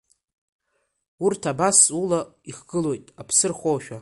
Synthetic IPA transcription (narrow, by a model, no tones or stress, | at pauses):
urtʰabasulaiχɡɨlo̞jtʼapʰsɨrχʷowʃᶣa